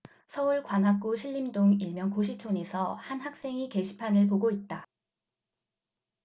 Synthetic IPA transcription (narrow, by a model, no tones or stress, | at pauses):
sʰʌuɭkwanɦak͈uɕʰiɭːimdoŋiɭmjʌnkoɕ̬ʰit͡ɕʰone̞sʰʌhanɦak̚s͈e̞ŋike̞ɕʰi̥pʰanɯɭpoɡoit̚t͈a